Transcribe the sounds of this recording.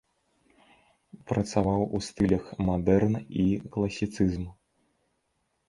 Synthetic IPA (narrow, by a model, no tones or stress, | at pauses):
pɾɐt̪savawust̪ɨlʲɐxmad̪ɛrniklˠɐsʲit̪sɨzm